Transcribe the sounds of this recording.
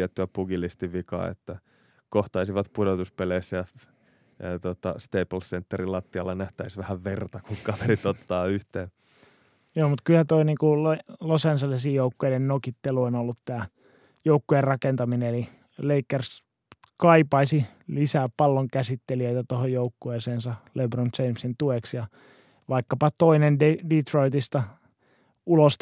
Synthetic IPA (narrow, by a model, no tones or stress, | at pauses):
et̪ːyæpuɡilːist̪iʋikɑ̰ːḛt̪ːæ | koht̪ɑisiʋɑt̪pudot̪uspeleisːæjɑ | t̪uot̪ɑ̰st̪eːpl̩ssent̪ːeɾilɑt̪ːiɑlːɑnæht̪æisʋæhæʋʋert̪ɑkuŋkɑʋerit̪ot̪ːɑːyht̪eː | joːmut̪kylhæt̪oiniːkulolosenselesiːjjoukːoidennokit̪ːeluonolːut̪t̪æː | joukːujerrɑkent̪ɑmineeli | leikːers | kɑipɑisilisæːpɑlːoŋkæsit̪ːeliøit̪æt̪ohojoukːueːseːnsɑlebront͡ʃeimsint̪ueksjɑ | ʋɑikːɑpɑt̪oinenddit̪roit̪ist̪ɑ | ulos